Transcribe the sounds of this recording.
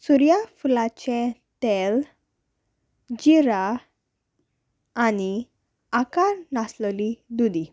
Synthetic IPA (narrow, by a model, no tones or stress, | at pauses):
suɾijafulat͡ɕɛ̃ | t̪ɛl | d͡ʑiɾa | ni | akaɾnaslɔlid̪ud̪i